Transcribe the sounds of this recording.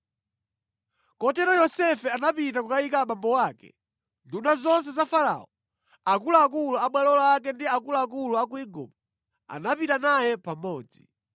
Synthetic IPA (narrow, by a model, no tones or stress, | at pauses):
kɔtɛɾɔjɔsɛfɛanapitakukaikaɓambɔwaːkɛ̰ | ndunazɔns̬ɛzafaɾa̰ɔ | akulaːk̬uluaɓwalɔlakɛndiakulaːk̬uluakuiɡṵɓɔ | a̰napitanajɛpamɔːd͡zi